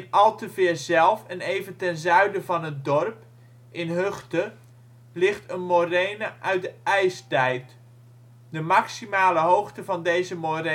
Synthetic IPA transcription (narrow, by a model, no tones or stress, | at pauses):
nɑlˠtəvɪːɹzɛlˠfɛnejvəntɛnzœɥdəvɑnɦət̚dɔrp | ʔɪnɦɵχtə | lɪχtənmorejnəʔœɥt̚dəɛjstɛjt | dəmɑksimaːləɦowχtəvɑndejzəmoɾe